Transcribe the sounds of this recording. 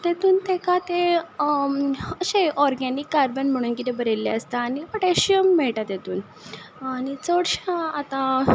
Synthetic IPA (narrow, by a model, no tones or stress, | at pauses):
t̪et̪uːnt̪ẽkat̪e | əɕeʔɔɾɡɛnikːaɾbənm̤əɽ̃uːnkit̪ebəɾelːḛəst̪aːɽ̃ipəʈeɕiəmːɛɭʈat̪et̪uːn | aɽ̃it͡səɽɕãat̪ã